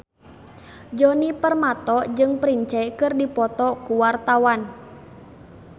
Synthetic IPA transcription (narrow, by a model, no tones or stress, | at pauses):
d͡ʒɔnipərmat̪ɔd͡ʒɨŋpɾiɲt͡ʃaikɨrdipɔt̪ɔkuwart̪awan